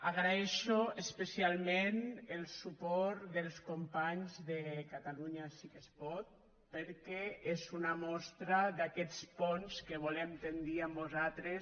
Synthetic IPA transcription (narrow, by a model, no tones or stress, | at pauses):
aɣɾaɛʃoespesialˠmenelˠsupɔɾd̪elˠskompaɲzðekat̪aluɲasikespɔt̪̚ | pəɾkɛezunamɔst̪ɾad̪akɛt͡spɔnskeβ̞ulɛmt̪end̪iambuzat̪ɾes